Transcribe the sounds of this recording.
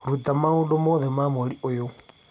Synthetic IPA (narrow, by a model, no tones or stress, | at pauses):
ɾutamaudɔmɔðɛmamoliʔojo